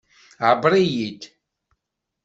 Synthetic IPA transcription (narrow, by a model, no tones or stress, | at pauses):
ʕəbɾˤijid̪